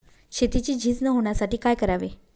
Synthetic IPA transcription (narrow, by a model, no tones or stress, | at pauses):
ɕet̪it͡ɕiːd͡ʑʱiːt͡snəɦoɳ̃jasaʈiːkajkəɾaʋi